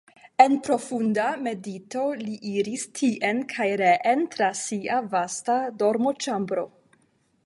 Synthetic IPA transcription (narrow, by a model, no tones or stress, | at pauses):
e̞npɾo̞fundame̞dito̞liʔiɾistʰiʔenkʰajɾeʔentɾasiʔavastado̞ɾmo̞t͡ʃambɾo̞